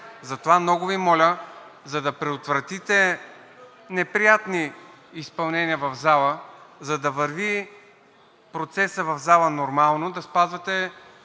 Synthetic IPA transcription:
zɐt̪ovamnɔɡʊvimɔlʲəzɐd̪ɐpɾɛot̪vɾɐt̪it̪ɛ | nɛpɾijat̪niː | spɐlˠnɛniəvɐvzalˠəzɐd̪ɐvəɾvi | pɾot̪sɛsəvɐvzalˠənoɾmalˠnod̪ɐspazvɐt̪ɛ

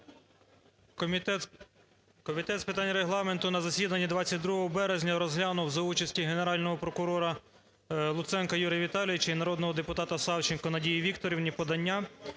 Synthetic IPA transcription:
kɔmʲit̪ɛt̪spɪt̪ɑnʲɾeɦlˠɑme̞nt̪ʊnɐzɐsʲid̪ɐnʲːid̪ʋɑt͡sʲːɐt̚ʲd̪ɾuɦɔɦɔbɛɾezʲnʲɐɾɔzɦlʲanʊwzɐut͡ʃɐsʲtʲiɦeneɾɑlʲnɔɦɔpɾɔkʊɾɔɾɐ | lˠʊt̪sɛnkɐjuɾʲijɐʋʲit̪ɑlʲiʋɪt͡ʃɐinɐɾɔd̪nɔɦɔd̪epʊt̪ɑt̪ɐsɑwt͡ʃɪnkɔnɐdʲijiʋʲikt̪ɔɾʲiwnʲipɔd̪ɐnʲːa

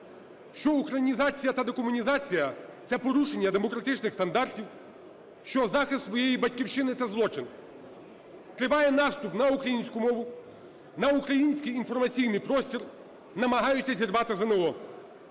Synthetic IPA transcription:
ʃt͡ʃɔuxɾɐnʲizɑt͡sʲijɐt̪ɐd̪ekɔmʊnʲizɑt͡sʲijɐt̪sɛpɔɾuʃenʲːɐd̪emɔkɾɐt̪ɪt͡ʃnɪxst̪ɐnd̪ɑrtʲiw | ʃt͡ʃɔzɑxɪst̪sʋɔjejibɐtʲkʲiwʃɪnɪt̪ɐzlˠɔt͡ʃɪn | t̪ɾɪʋɑjɛnɑst̪upnɐukɾɐjinʲsʲkʊmɔʋʊ | nɐukɾɐjinʲsʲkɪjːnfɔrmɐt͡sʲijnɪjpɾɔsʲtʲir | nɐmɐɦɑjʊt͡sʲːɐzʲirʋɑt̪ɪzɐnɛɦɔ

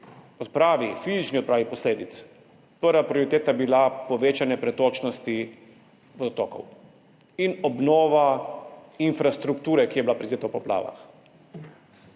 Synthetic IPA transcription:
ɔt̪pɾaːʋifiːzit͡ʃniɔt̪̚pɾaːʋipɔsleːd̪it̪s | pəɾʋapɾioɾit̪eːt̪abilapɔʋeːt͡ʃanjɛpɾɛt̪oːt͡ʃnɔst̪i | ʋod̪ɔt̪ɔːkɔ̰w | inɔbnɔːʋa | infɾast̪ɾukt̪uːɾɛkijɛbilapɾɛzeːt̪apɔpla̰ːʋa̰x

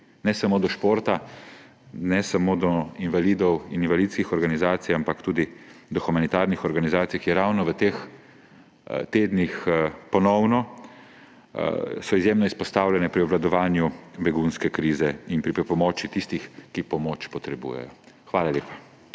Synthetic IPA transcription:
nɛsamoːd̪ɔʃpoːɾt̪a | nɛsamod̪ɔinʋaliːd̪ɔwininvalit̪skixɔɾɡanizaːt̪sijampakt̪uːd̪id̪ɔxumanit̪aɾnixɔɾɡanizaːt̪sijakjɛɾawnɔʋət̪eːx | t̪eːd̪nixpɔnɔwnɔ | sɔizjeːmnɔispɔst̪aːwlʲjɛnɛpɾiɔblad̪ɔʋaːnjubɛɡunskɛkɾiːzɛinpɾipɾɛpɔmɔːt͡ʃit̪ist̪ixkipɔmoːt͡ʃpɔt̪ɾɛbṵːjɛ̰jɔ | xʋaːlaleːpḁ

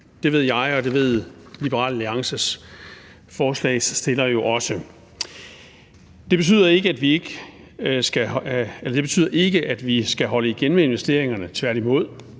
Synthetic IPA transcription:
d̥e̝ʋe̝ð̞̰ˠjɑ̈ɪɒ̽d̥e̝ʋe̝ð̰ˠlib̥əɐʁɑ̰̈ːlliɑ̈ŋsəs | fɒːslɛ̰ːɪsːd̥e̝lɐjo̝ʔɒ̽sə | d̥e̝b̥e̝t͡sʰy̰ːðˠɐe̝ɡ̥əæd̥ʋie̝ɡ̥ | sɡ̥æelɐd̥e̝be̝t͡sʰy̰ːð̰ˠɐʔe̝ɡ̥əʔæd̥ʋisɡ̥æɦɒ̽ləiɡ̥enmee̝nʋesd̥e̝̰ɐ̰eŋɐnət͡sʰʋæɐ̰ɾ̥imo̝ð̞̰ˠ

